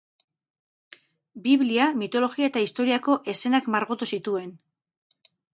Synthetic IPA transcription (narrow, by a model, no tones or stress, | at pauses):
biβliamit̪o̞lo̞ɣiae̞t̪aist̪o̞ɾiako̞ʔe̞se̞nakmaɾɣot̪usit̪ue̞n